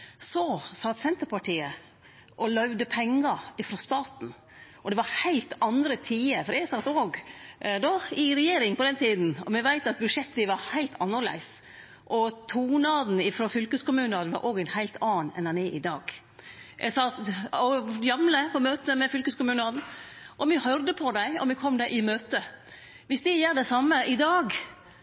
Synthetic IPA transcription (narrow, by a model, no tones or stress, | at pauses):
sɔsɑt̪sɛnt̪əɾpɑʈiːə | ʔɔlœʉʋd̪əpʰɛŋːɑɪfɾɔːst̪ɑːt̪n̩ | ʔɔd̪ɛʋɑɾhæɪlt̪ɑnd̪ɾət̪ʰiːəfɔɾjɛɡsɑt̪oːɡd̪ɔɪɾɛjeːɾɪŋpɔd̪ɛnt̪ʰiːd̪n̩ɔmɛʋæɪt̪ɑt̪̚bʉd̪ʂɛt̪ːəʋɑɾhæɪlt̪ʰɑnːəɭæ̰ɪs | ʔɔt̪ʰuːnɑːd̪n̩ɪfɾoːfʏlkəskʊmʉːnɑːd̪ʋɑ̰ɾʔoːɡæɪnhæɪlt̪ʰɑːnɛ̰nænɛʔɪd̪ɑːɡ | jʔɛ̰sɑt̪ɔjɑmləpʰɔmøːt̪əmɛfʏlkəskʊmʉːnɑːd̪n̩ | ʔɔmɪhœɾd̪əpʰɔd̪æɪɔ̰mɪkʰɔmd̪æʔɪmøːt̪ə | ʋɪsd̪ɪjæːɖɛsɑmːəʔɪd̪ɑːɡ